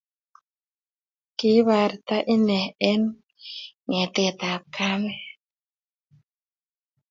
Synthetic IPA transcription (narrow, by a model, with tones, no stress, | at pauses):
ki˦βa˨ɾt̪a˦ʔi˦nɛ˨ɛ˦n | ŋɛ˨t̪e˨t̪a˨pka˦mɛ˦